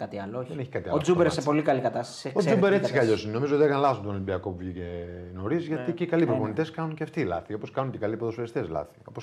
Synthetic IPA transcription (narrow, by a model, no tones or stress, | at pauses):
kɐt̪iɐlooçðeneçikɐt̪iɐod͡zubeɾesepo̞likɐlikɐt̪ɐst̪ɐsiozubeɾe̞t͡sikɐʎo̞sineno̞mizoot̪iekɐnlɐθot̪onlimbiɐko̞puvʝiceno̞ɾizʝɐt̪icekɐlipɾoponit̪e̞skɐnunceɐft̪iːlɐ̰θio̞po̞skɐnuncekɐlipoðosfeist̪eslɐ̰θi̥o̞̰pos